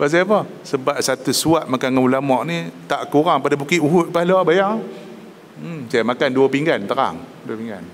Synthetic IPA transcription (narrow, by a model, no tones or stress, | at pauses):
bas̬afɔ | səbap̚sat̪usuaʔ̚makanŋaulamɔʔnit̪aʔkuɾaŋpadabukiʔuɦʊt̪̚pahlɔbajaŋ | sajamakanduəpiŋɡant̪əɾa̰ŋduəpiŋɡa̰n